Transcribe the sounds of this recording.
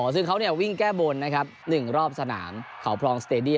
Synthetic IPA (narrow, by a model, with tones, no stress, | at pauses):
ɔ˩˦sɯ˥˩ŋkʰa˦˥wni˥˩ɐwi˥˩ŋkɛː˥˩boː˧nːa˦˥kʰa˦˥p̚nɯ˨˩ŋɾɔː˥˩p̚sa˧na̰ː˩˦mkʰa˩˦wpʰlɔː˧ŋst̪eː˧di˥˩˨